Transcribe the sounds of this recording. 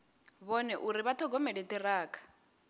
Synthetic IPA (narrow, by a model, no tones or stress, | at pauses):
βɔnɛʔuɾiβat̪ʰɔɡɔmɛɺit̪ʼiraːkʰḁ